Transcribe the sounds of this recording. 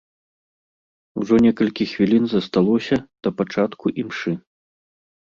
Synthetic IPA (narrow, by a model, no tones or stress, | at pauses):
uʐɔnʲɛkɐlʲkʲixvʲilʲinzɐst̪alˠɔsʲɐd̪̥ɐpat͡ʂat̪kuʔimʂɨ